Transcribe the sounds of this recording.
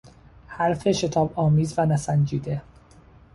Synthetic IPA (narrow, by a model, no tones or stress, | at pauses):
hæɾfe̞ʃe̞t̪ʰɒːbɒːmiːzvænæsænd͡ʒiːd̪e